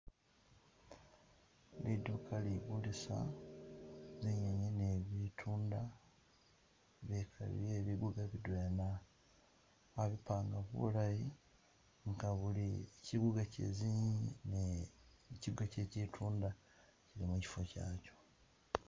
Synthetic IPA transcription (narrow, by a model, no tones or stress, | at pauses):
lidukʰaliɡulisa̰ | ziɲaɲene̞βitʰuːnda | βekʰa̰lḭjeβiɡuɡaβidweːna | aβipaːŋɡaβṵlaji | ŋɡaβuliciɡuɡacḛziɲine | ciɡace̞citʰuːnda | ciɾimuci̥fo̞ca̰ːco̥